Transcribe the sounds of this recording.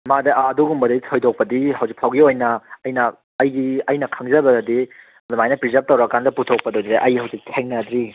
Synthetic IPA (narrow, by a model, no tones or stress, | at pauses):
madɐːduɡumbɐdɐitʰojdok̚pɐdiɦɐwzik̚pʰawɡiojnɐɐjnɐː | jɡiɐjnɐkʰaŋzɐbɐɡɐdi | ɐdɐmajnɐpɾizɐp̚tɐwɾɐkandɐputʰok̚pɐdojd̪ɾeʔɐjihɐwzik̚tʰeŋnɐd̪ɾi